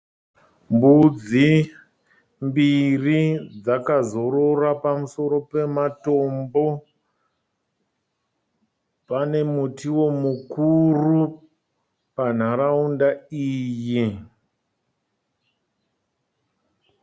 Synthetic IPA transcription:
mbud͡zi | mbirid͡zakazo̞ɾo̞rapamuso̞ɾo̞pe̞mato̞mbo̞ | pane̞mutiwo̞mukuru | pan̤aɾaundaiːji

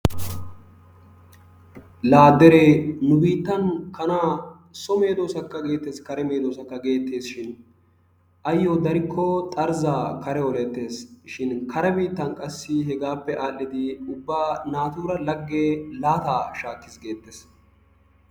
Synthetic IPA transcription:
laːd̪ɛɾenʊbiːt̪ːɐnkɐnaː | sɔme̞ːd̪oːsɐkːɐɡe̞ːt̪ːeːskɐɾɛme̞ːd̪oːsɐkːɐɡe̞ːt̪ːe̞ːsʃɪn | ʔɐjːod̪ɐɾɪkʰːɔt̪ʼɐɾzaːkɐɾɛwɔlɛt̪ːe̞ːsʃɪnkɐɾɛbiːt̪ːɐnkʼɐsːɪɦɛɡaːpːɛʔaːlːɪd̪ɪʊbːaːnaːt̪uːɾɐlɐɡːeːlaːt̪aːʃaːkːɪsɡe̞ːt̪ːes

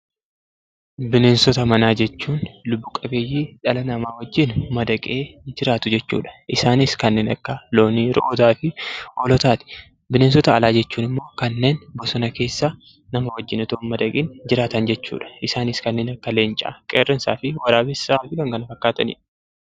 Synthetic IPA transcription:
bɪneːnsɔt̪ɐmɐnaːd͡ʒɛt͡ʃːuːnlʊbːʊkʼɐbeːjːiːᶑɐlɐnɐmaːwɐd͡ʒːɪnʊmɐd̪ɐkʼeːd͡ʒɪɾaːt̪ʊd͡ʒɛt͡ʃːṵːᶑɐ̥ʔɪsaːnɪskɐnːe̞ːnɐ̰kːɐlo̞ːniɾɔ̰ʔot̪aːfɪʔɔlɔt̪aːt̪ɪ̥ | bɪneːnsɔt̪ɐːlaːd͡ʒɛt͡ʃːuːnɪmːo̞ːkɐnːe̞ːnbɔsɔnɐke̞ːsːa | nɐmɐwɐd͡ʒːɪnɐt̪oːnmɐd̪ɐkʼiːnd͡ʒɪɾaːt̪ɐnd͡ʒɛt͡ʃːṵːᶑɐ̥ʔɪsaːnɪskɐnːeːnɐkːɐle̞ːnt͡ʃʼa̰ːkʼeːrːɪnsa̰ːfɪwɐɾaːbɪsaːd̪ɪkɐŋkɐnɐfɐkːaːt̪ɐnɪ̰ᶑ

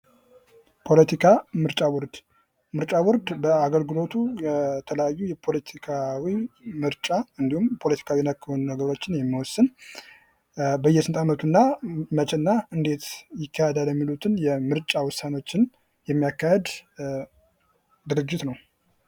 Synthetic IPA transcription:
pʰo̞lət̪ʰikʰamɨɾt͡ʃʼawɔɾd̪ | mɨɾt͡ʃʼawɔɾd̪bəaɡəlɡɨlo̞t̪ʰujɛt̪ʰələjajːujɛpʰo̞lət̪ʰikʰawimɨɾt͡ʃʼaɨnd̪ihumpʰo̞lət̪ʰi̥kʰawijnəkːɨhunnəɡəɾo̞t͡ʃːɪnjɛmːiwɔsːɨn | bəjːɛsɨnt̪ʼamət̪ʰunːamət͡ʃɛɨnːaɨnd̪e̞t̪jɪkːahed̪aljɛmːilut̪ʰɨnjɛmɨɾt͡ʃʼawɔsːano̞t͡ʃːɪn | jɛmːijakːahed̪ | d̪ɨɾɨd͡ʒːɪt̪nəw

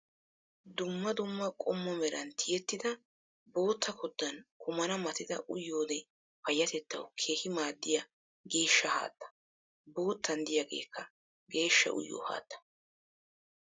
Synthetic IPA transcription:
d̪ʊmːɐd̪ʊmːɐkʼɔmːɔmɛɾɐnt̪ʰɪjɛt̪ːɪd̪ɐ | bo̞ːt̪ʰːɐkʰɔd̪ːɐnkʰʊmɐnɐmɐt̪ɪd̪ɐ̰ʔʊjːo̞ːd̪ɛ | pɐjːɐt̪ɛt̪ːɐ̰wkʰe̞ːhɪmaːd̪ːɪjɐ | ɡe̞ːʃːɐha̰ːd̪ːɐ̥ | bo̞ːt̪ːɐnd̪ɪjaːɡḛːkʰːɐ | ɡe̞ːʃːɐ̰ʔʊ̰jːo̰ːha̰ːt̪ːɐ̥

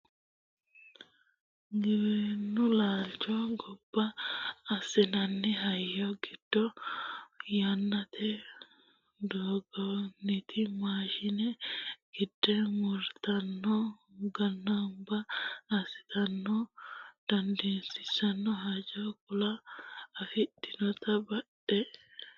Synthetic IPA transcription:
ɡɪwenːʊlaːlt͡ʃɔɡɔb̥ːɐː | sɪnɐnːɪɦɐjːɔɡɪd̪̥ːɔ | janːɐt̪ʰɛ | d̪oːɡɔnɪt̪ʰɪmaːʃɪnɛɡ̥ɪd̪̥ːɛmɔɾt̪ɐnːɔ | ɡɐnːɐmbɐːsɪ̥t̪ɐnːɔd̪̥ɐnd̪eːnsɪsɐnːɔɦɐd͡ʒɔk̚ʊlɐː | fɪtːɪnɔt̪ɐbɐɗɛ

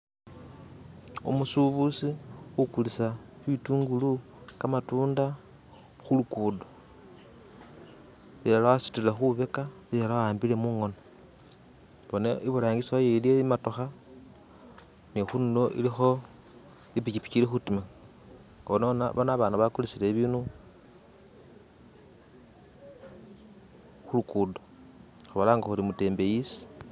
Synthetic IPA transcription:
ṵmusuβusixukulisaβituːŋɡulu | kamatuːnda | xulukuːdo | βijalawasi̥tuilexuβe̞kaβijalawaːmbile̞muːŋo̞no | βo̞neʔiβuɾaːŋɡisiajeilieimato̞xa | nixundoʔḭlixo̞ | ipicipi̥cilixutima | onona̰βonaβaːnuβakulit͡sileβiːnu | xulukudo | xaβalaŋɡaxulimute̞ːmbe̞jisi̥

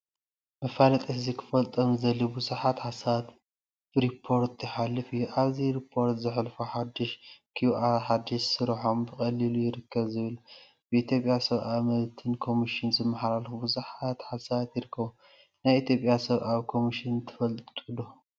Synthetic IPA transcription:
mɐfalɐt̪ʼɨħzikʰɨ̥fɐlt̪ʼomzɐlːibuzuħat̪ħasat̪ | ɾipʰːo̞ɾt̪ʰjɪħalːɨfɨjːuʔaβziɾipʰːo̞ɾt̪zɨħlfoħad̪ːɨʃkʰjuuʔaɾħad̪ːɪʃsɨɾħo̞mbɨxʼɐlilujɪɾɨkʰːɐβzɨβɨl | bɨit̪ʰjo̞pʼjasɐβʔamɐlt̪ʰɨnkʰo̞miʃɪnzɨmːaħlalxubuzuħat̪ħasaβat̪jɪɾɨkʰːɐβu | najit̪ʰjo̞pʼjasɐβʔawkʰo̞miʃɪnt̪ʰːɨ̥fɐlt̪ʼt̪ʼud̪o

